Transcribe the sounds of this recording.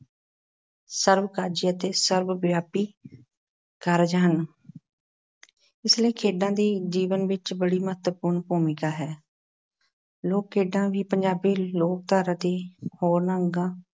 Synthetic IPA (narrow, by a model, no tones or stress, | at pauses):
səɾbkaːd͡ʒiːət̪eːsəɾbbjaːpiː | kəːɾd͡ʒɦən | ɪsləiːkʰeːɖãːd̪iːd͡ʒiːʋənʋɪt͡ʃbəɽiːmət̪əpʊːɾɳbuːmɪkaːɦɛː | loːkkʰːeːɖãːʋiːpəɲd͡ʒaːbiːloːk̚t̪aːɾaːd̪iːhoːɾnəŋɡãː